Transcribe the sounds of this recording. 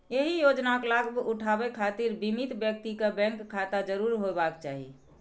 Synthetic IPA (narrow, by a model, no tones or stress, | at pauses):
jeɦijod͡ʒnaklaɡbuʈʰabekʰat̪iɾbimit̪bjək̚t̪ikebɛ̃ŋkʰːat̪ad͡ʒəɾuɾɦobakt͡ʃaɦḭ